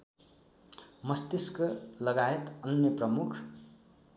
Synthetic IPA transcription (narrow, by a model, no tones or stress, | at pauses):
mʌst̪eskʌlʌɡaet̪ʌnjʌprʌmukʰ